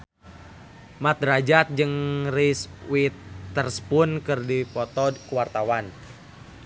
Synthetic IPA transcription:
mat̪̚ɾad͡ʒat̪̚d͡ʒɨŋriswit̪ːərspʊnkɨrdipɔt̪ɔkəwart̪awan

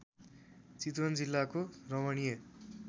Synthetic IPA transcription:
t͡sit̪wʌnd͡zilːakorʌmʌnije

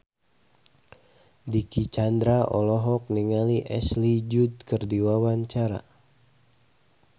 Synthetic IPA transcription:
dikit͡ʃand̪ɾaʔɔ̰lɔɦɔk̚niŋaliʔɛslid͡ʒud̪kərdiwawaɲt͡ʃaɾa̰

